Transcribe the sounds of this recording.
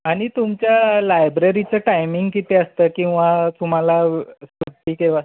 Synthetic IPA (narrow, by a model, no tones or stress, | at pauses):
aɽ̃it̪umt͡ɕjalajbɾeɾit͡səʈajmiŋɡkit̪eəst̪əːkĩw̃ʋat̪um̤alasuʈ̪iːkeʋaa